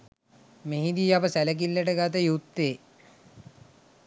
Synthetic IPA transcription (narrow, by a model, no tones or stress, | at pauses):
meɦid̪iapəsælək̬ilːəʈəɡat̪̬əjut̪ːeː